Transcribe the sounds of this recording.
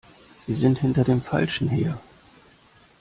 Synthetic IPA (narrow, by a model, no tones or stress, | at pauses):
z̥iːzɪnthɪntɐdeːmfa̰lʃn̩ɦeːɐ